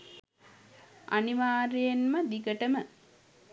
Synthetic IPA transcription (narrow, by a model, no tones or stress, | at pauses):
ʔa̰niʋaːɾejenməd̪iɡəʈəmə